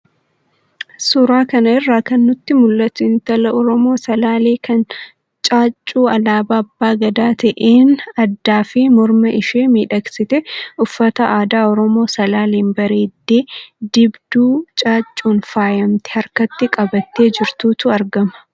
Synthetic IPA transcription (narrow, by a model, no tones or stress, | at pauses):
sʊɾaːkɐnɐɪrːaːkɐnːʊt̪ːɪmʊlːɐt̪ɪnt̪ɐlɐɔɾɔmo̞ːsɐlaːleːkɐn | t͡ʃʼaːt͡ʃʼːuːɐlaːbaːɐbːaːɡɐd̪aːt̪ɐʔeːnɐd̪ːaːfɪmɔɾmɐʔɪʃeːmiːᶑɐksɪt̪ɛʊfːɐt̪ɐʔaːd̪aːɔɾɔmo̞ːsɐlaːleːnbɐɾeːd̪ːeːd̪ɪbd̪uːt͡ʃʼaːt͡ʃʼːuːnfaːjɐmt̪ɛ̥hɐɾkɐt̪ːɪkʼɐbɐt̪ːeːd͡ʒɪɾt̪uːt̪ʊɐɾɡɐmɐ̥